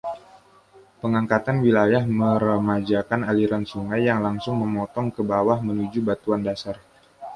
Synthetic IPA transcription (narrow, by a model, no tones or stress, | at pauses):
pəŋaŋkat̪anwilajahməɾəmad͡ʒakanaliɾansuŋajːaŋlaŋsʊŋməmɔt̪ɔŋkəbawahmənud͡ʒubat̪uandasar